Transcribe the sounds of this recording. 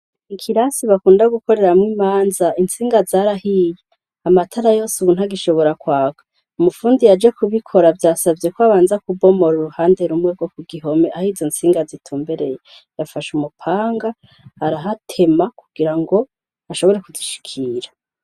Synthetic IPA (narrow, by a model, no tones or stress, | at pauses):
ikʰiɾasiβakuːndaɡuko̞ɾe̞ɾamŋiːmaːnzaint͡siːŋɡazaɾahiːje | amatʰaɾajo̞ːsuβun̥haɡiʃo̞βo̞ɾakwaːɡḁ | umufuːndijad͡ʒe̞kuβikʰo̞ɾavjaːsabje̞kwaβaːnzakubo̞mo̞ɾuɾuhaːndeɾumŋeɡwokuɡiɦo̞meʔahizont͡siːŋɡazitʰuːmbeɾe̞je | jafaʃumupʰaːŋɡa | haɾaɦatʰe̞makuɡ̥iɾaŋɡo̞ | aʃo̞βoɾe̞kuziʃi̥kʰiːɾa